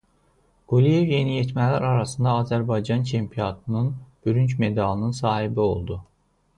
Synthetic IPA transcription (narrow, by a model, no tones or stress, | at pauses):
ɡ̥ulijevje̞nijet̪mælæɾɑɾɑsɯnd̪ɑːzæɾbɑjd͡ʒɑnt͡ʃʰempʰijot̪ʰɯnɯnb̥yɾyncme̞d̪ɑlˠɯnɯnsɑːhibio̞lˠd̪u